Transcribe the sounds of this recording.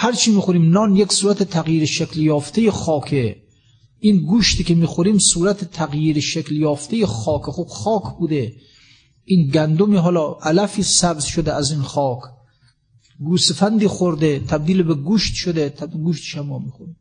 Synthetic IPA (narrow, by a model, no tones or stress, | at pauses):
hæɾt͡ʃʰiːmiːxoɾiːmnɒːnjeksuːɾæt̪ʰet̪ʰæɣjiːɾeʃekljɒːft̪ʰejexɒːkʰe | inɡuːʃt̪ʰiːkʲemiːxoɾiːmsuːɾæt̪ʰet̪ʰæɣjiːɾeʃekljɒːft̪ejexɒːkʰexob̥xɒːkʰbuːd̪e | ʔiːnɡænd̪omiːɦɒːlɒːʔælæfiːsæbzʃod̪eæzinxɒːkʰ | ɡuːst̪fænd̪iːxoɾd̪et̪ʰæb̚d̪iːlebeɡuːʃt̪ʃod̪et̪ʰɡuːʃt̪e̥ʃæmːɒːmiːxoɾim